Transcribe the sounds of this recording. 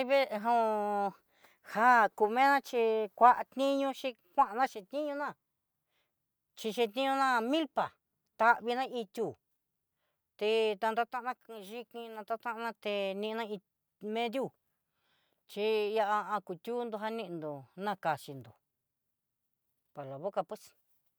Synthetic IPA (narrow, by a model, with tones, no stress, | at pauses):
βe˦˧ɦã˧ũ˧ | ha˦ku˧˨˧mẽ˦nã˦˧t͡ʃi˧kʷa˦ʔa˧t̪ĩ˦ɲũ˧ʃi˦˧ | kʷã˦ʔa˧nã˦ʃi˧t̪ĩ˦ɲũ˧nã˦˨ | t͡ʃi˧ʃĩ˧t̪ĩ˦ɲũ˧nã˦mĩ˦lpa˨ | t̪a˧ʔβi˧nã˦ʔi˧t̪ʲu˦˧˨ | t̪e˧t̪a˧nd̪a˧t̪ã˦˧nã˦˧ʒi˧kĩ˧nã˧t̪a˧t̪ã˦ʔnã˧t̪e˧nĩ˧ʔnã˦˧i˧ | mẽ˧˦ðju˦˨ | t͡ʃi˧ja˧ʔa˧ã˧ku˨t̪ʲuː˦nd̪o˧ɦa˧nĩ˦˧ʔnd̪o˨nã˧ka˨t͡ʃi˧nd̪o˨ | pa˨lo˨βo˦ka˧pwe˦s